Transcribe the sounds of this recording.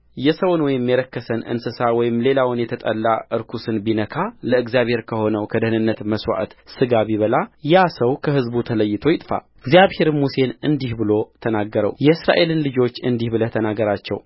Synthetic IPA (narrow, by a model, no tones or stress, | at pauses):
jɛsəwnwɔjɪmːjɛɾəkːəsənɨ̰nsɨsawɔjɪmle̞lawʊnjɛt̪ʰət̪ʼəlːaʔɨɾkʰusɨnbinəkʰaləɨɡzjaβhe̞ɾkʰəho̞nəwkʰəd̪əhnɨnːət̪məswa̰ʔt̪sɨɡaβiβəlajasəwkʰəɦɨzbut̪ʰələjːɪt̪ʰo̞jɪt̪ʼfa̰ | ɨɡzijaβhe̞ɾmuse̞nɨnd̪ihbɨlo̞t̪ʰənaɡːəɾə̰wjɛɨsɾa̰ʔe̞lɨnlɨd͡ʒo̞t͡ʃːɨnd̪ihbɨlət̪ʰənaɡəɾat͡ʃːɛ̰w